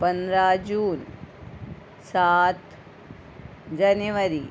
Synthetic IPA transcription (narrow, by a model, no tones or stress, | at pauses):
pɐnd̪ɾaːd͡ʒuːn | saːt̪ | d͡ʒɐnuʋɐɾi